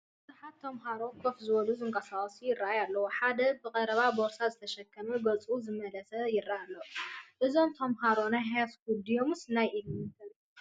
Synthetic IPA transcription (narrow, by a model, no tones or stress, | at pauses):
bɨzuħat̪ʰːɐmɦaɾo̞kʰofzɨwɔluzɨŋkʼɐsaχʼɐsujɪrːaʔajalːɐwuħad̪ɐbɨkʼɐɾɐβaboɾsazɨt̪ʰɐʃɐkʰːɐmubɐt͡sʼuzɨmɐlɐsɐjɪrːaʔalːɐwʔɨzo̞mt̪ʰɐmɦaɾo̞najɦajasɡud̪ijomɨsnajʔilmɨt̪ɐlu